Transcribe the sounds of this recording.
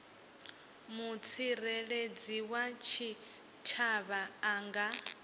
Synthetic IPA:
mut͡sʰirɛɺed͡ziwat͡ʃʰi | t͡ʃʰaβaːŋɡa

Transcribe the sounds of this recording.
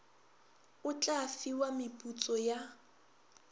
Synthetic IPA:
ʊt͡ɬʼafiwamɪpʼut͡sʼɔja

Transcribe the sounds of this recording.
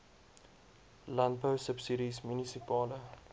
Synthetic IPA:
lɐntbəwsəpsiɾismjunisipɑːlə

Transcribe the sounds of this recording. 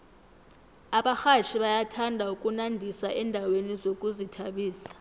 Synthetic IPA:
aɓaxat͡ʃʰiɓajatʰandʱaukʼunandʱisaʔɛndʱawenizokʼuzitʰaɓiːsḁ

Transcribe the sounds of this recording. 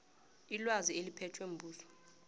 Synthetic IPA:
ilwazielipʰɛtʰwem̩bʱuːsɔ̥

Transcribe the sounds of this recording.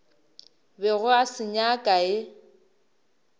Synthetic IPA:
bɛɣʊasɪɲakʼaɪ

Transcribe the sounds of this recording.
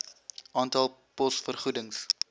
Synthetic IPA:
ʔɑːntɐlˠpɔsfərχudəŋs

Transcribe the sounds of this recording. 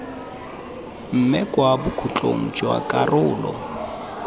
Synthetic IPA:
m̩mɪkʼwabʊkʰut͡ɬʼo̰ŋ̩t͡ʃʼwa̰kʼarʊːlɔ

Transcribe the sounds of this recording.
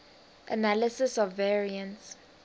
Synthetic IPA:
ʔə̰naləsɪsɔvːɛɹiə̃nts

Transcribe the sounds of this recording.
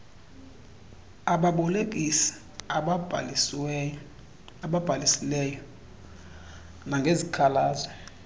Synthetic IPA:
aɓaɓɔlek̬ʼisi̥ | ɓab̥ʱalisilɛjɔ | naŋɡʱezikʰalaːzɔ

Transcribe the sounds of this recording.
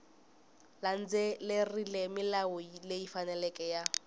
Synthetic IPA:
lan̩d͡zelerilɛmɪlaʊleifanɛlɛkʼɛja

